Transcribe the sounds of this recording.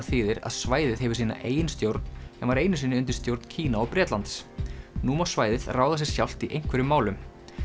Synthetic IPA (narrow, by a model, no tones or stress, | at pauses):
θiːðɪɾa̰ðsvaːjðɪɦɛvʏɾsiːna̰ʔeːjɪnst̪jowɾt̪nsɛmvaɾeːjnʏs̬iːnɪʏnt̪ɪɾ̥st̪jowɾt̪ncʰiːnaɔpɾɛːt̪lant̪snuːmasvaːjðɪðraːwðas̬ɛɾ̥sjawl̥t̪iʔejŋ̥kʰvɛɾʏmːaːwlʏm